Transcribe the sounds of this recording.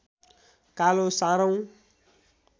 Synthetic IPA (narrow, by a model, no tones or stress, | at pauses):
kalosãɾaw̃